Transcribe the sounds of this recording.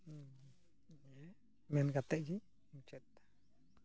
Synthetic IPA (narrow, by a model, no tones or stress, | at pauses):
e | manɡat̪eʔd͡ʒi | mt͡ʃet̪ḁ